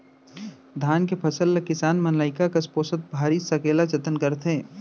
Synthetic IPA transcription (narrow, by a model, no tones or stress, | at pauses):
d̪ʱaːnkepʰɐsəlːekɪsaːnmɐnlaːɪkakɐspoːsət̪̚bʱaːɾisɐkeːlat͡ʃɐt̪ənkɐɾt̪ʰɦẽː